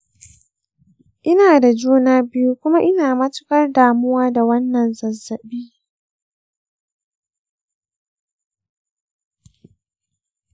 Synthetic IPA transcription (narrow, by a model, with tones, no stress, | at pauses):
ʔɪ˦naː˨da˨d͡ʒuː˦naː˦bɪ˦ju˦kʷʊ˦ma˦ʔɪ˦naː˨mɐ˦tʊ̥˦kɐ˦rdaː˨mʊ˦waː˦da˨wɐ˦nːɐ˨nzɐ˨zːɐ˨ɓiː˦